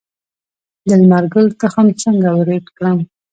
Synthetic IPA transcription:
d̪əlmaɾɡəlt̪axamt͡səŋɡawɾed̪kɽam

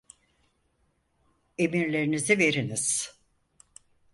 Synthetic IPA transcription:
emiɾlʲe̞ɾinizive̞ɾiniz̥

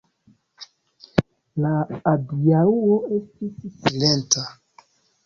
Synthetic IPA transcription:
laːdiauoe̞stissilenta

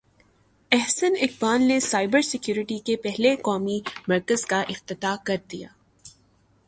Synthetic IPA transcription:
ɛɦsənɪk̚baːlnesaːɪbəɾsɪkjuːɾɪʈikepɛɦlekɔːmimɐɾkəz̥kaʔɪqt̪ɪt̪akɐɾd̪ija̰ː

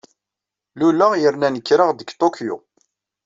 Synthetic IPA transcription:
luləʁjəɾnænəkːɾəʁd̪əɡt̪okʰjṵ

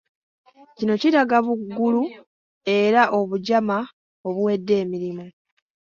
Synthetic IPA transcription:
cino̞ciɾaɡaβuɡːulu | e̞ɾaʔo̞βuɟama | o̞βuwe̞dːe̞ːmiɾimu

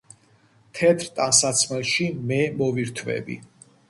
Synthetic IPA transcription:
t̪ʰɛt̪ʰɾt̪ʼansat̪sʰmɛlˠʃimɛmɔviɾt̪ʰvɛ̰bḭ

